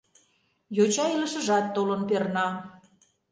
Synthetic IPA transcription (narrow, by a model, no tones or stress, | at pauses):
jot͡ɕɑilə̆ʃə̆ʒɑt̪ːolənpernɑ